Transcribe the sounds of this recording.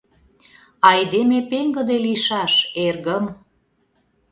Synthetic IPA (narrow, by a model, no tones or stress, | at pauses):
ɑjd̪emepeŋɡə̆d̪eliʃɑʃerɣəm